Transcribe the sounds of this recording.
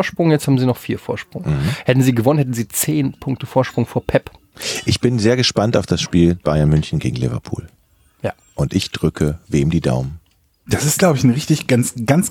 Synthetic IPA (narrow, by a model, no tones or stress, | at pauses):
ɐʃpʁ̥ʊŋjɛt͡sthaːbm̩ziːnɔχfiːɐfoːɐʃpʁ̥ʊŋ̩hm̩hɛtn̩ziːɡəvɔnənhɛt̬n̩ziːt͡seːnpʰʊŋk̚təfoːɐʃpʁ̥ʊŋfoːɐpʰɛp | ʔɪçb̥ɪnzeːɐɡəʃpantaʊfd̥asʃpiːlb̥aɪanmʏnçn̩ɡḛːɡŋ̩lɪvɐ̰pʰṵːl | jaː | ʔʊntʔɪçd̥ʁʏkʰəveːmdiːda̰ʊmən | d̥asɪst̚ɡ̥laʊbəɪçn̩ʁɪçtɪçɡ̥ant͡sɡ̥ant͡s